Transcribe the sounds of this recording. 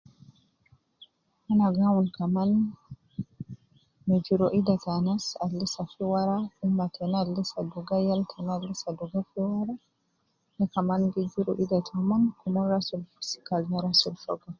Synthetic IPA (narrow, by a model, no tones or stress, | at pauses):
ʔanaɡawunkaman | mɛd͡ʒiɾɔʔidatanasalːisafiwaɾaʔumːatʰɛnalːisaduɡajaltʰɛnalːisaduɡafiwaɾa | nɛkamanɡɛd͡ʒiɾɔ̰ʔidatʰamankumɔnɾasulfu̥si̥kalnaɾasulfɔ̰ɡa